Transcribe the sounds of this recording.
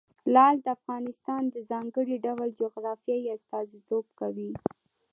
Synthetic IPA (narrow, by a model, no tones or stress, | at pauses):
lɑld̪əafɣɑnɪst̪ɑnd̪əzɑŋɡəɽiɖawld͡ʒoɣɾɑfijajast̪ɑzit̪obkawi